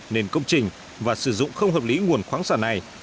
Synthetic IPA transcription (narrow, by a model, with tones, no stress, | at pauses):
ne˧nkə˧wŋ͡mt͡ɕï˨˩ŋ̟ | vaː˨˩sɨ˧˩zʊ̰˧˨ŋ͡mxə˧wŋ͡mɦəː˨˩p̚li˨˦ŋu˨˩ənxwaː˨˦ŋsaː˧˩na˨˩j